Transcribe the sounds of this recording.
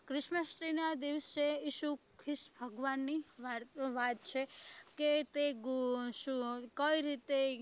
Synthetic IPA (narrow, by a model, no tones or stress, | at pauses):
kɾɪʃməsɾinad̪iʋseiʃukʰɪʃbʱəɡʋanːi | ʋat̪̚t͡ʃʰeket̪eɡʃukəiɾit̪e